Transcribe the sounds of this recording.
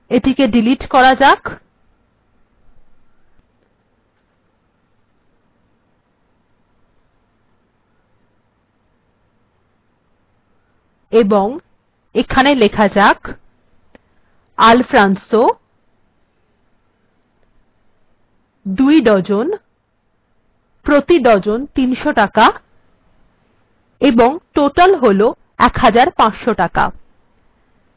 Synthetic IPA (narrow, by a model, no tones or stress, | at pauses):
eʈikeɖiliʈkɔɾad͡ʑak | eboŋ | ekʰanelekʰad͡ʑak | alfɾanso | d̪ujɖɔd͡ʑon | pɾot̪iɖɔd͡ʑont̪inʃoʈaka | eboŋʈoʈalɦolo | ɛkɦad͡ʑaɾpãt͡ɕʃoʈaka̰